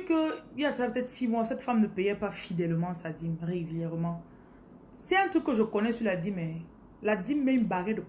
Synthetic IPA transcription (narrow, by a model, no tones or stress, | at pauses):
kəijasapət̪ɛt̪simwasɛt̪famnəpejɛpafid̪ɛlmɑ̃sadimʁeɡyljɛʁmɑ̃ | sɛɛ̃t̪ukəʒəkɔnɛsyladimɛ | ladimːɛynbaʁɛdə